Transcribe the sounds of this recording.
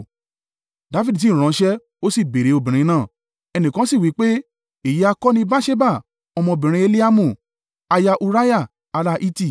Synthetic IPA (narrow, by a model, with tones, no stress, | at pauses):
da˨˦fi˦dt̬ĩ˦˨ɾ̃ã˨˦ʃɛ˦ | o˦si˦˨be˨ɾe˨˦o˧bĩ˨ɾ̃ĩ˧nãː˦˨ | ɛ˧nĩ˨kã˨˦si˦˨wi˨˦k͡pe˦ | i˨ji˨˦a˧kɔ˦nĩ˧ba˦ʃe˦ba˦˨ | ɔ˧mɔ̃˧o˧˨bĩ˨ɾ̃ĩ˧˦e˧li˦a˦mũ˦˨ | a˧ja˧ʔu˧ɾa˦ja˦˨ | a˨˧ɾa˦ʔi˦ti˦˨